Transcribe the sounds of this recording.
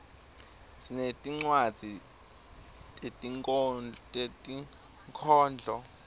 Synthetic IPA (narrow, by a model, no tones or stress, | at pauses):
sinetʼiŋ͡ǀwad̥d͡z̥ʱi | tʼetʼi | tʼetʼi | ŋkʰɔːnd͡ɮʱɔ